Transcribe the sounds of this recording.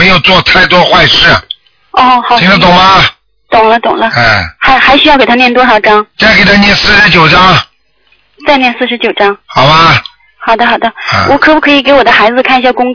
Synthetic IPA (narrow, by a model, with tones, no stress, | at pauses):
e˧˥ɪjo˨˩ʊt͡swɔ˥˧t̪ʰa˥˩ɪt̪wɔ˥xwa˥˧ɪʂɻ̩˥˩ | ɔ˥˩xʰi˨˩ŋlə˥t̪̬ʊ˨˩ŋmɐ˦ | t̪ʊ˨˩ŋlə˦t̪ʊ˨˩ŋlə˦˥˩xa˧˥ɪxa˧˥ɪɕy˥jʊke˨˩t̪ʰnjɛ˥˩nt̪wɔ˥ʂɑ˨˩ʊʈ͡ʂɑ˥ŋ˥ke˨˩t̪ʰa˥njɛ˥˩nsɹ̩˥˩ʂɻ̩˥t͡ɕjo˨˩ʊʈ͡ʂɑ˥ŋa˧˩ | t͡sa˥˧ɪnjɛ˥˧nsɹ̩˥˩ʂɻ̩˧˥t͡ɕjo˨˩ʊʈ͡ʂɑ˥ŋxɑ˨˩ʊmɐ˦ | xɑ˨˩d̪ə˧xɑ˨˩ʊd̪ə˦˧wʔɔ˧˥kʰɤ˨˧˩pu˧˥kʰɤ˧˥i˨˩ke˧˥ɪwɔ˨˩d̪ə˦xa˧˥ɪd͡zɹ̩˧kʰa˥˩ni˧˥ɕja˥˩kʊ˥ŋ